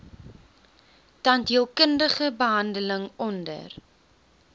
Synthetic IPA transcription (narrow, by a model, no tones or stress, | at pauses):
tɐntɦiəlˠkəndəχəbəɦɐndələŋɔndə̰r